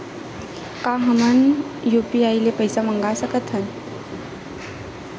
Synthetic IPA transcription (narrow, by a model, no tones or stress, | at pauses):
kaɦəmən | jupiajlepəjsaməŋɡasəkət̪ʰən